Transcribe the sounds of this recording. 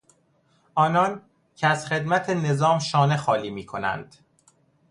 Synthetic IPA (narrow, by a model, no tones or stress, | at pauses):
ʔɒːnɒːn | cʰeæz̥xe̞d̪mæt̪ʰene̞zɒːmʃɒːne̞xɒːliːmiːkʰo̞næ̰nd̪̥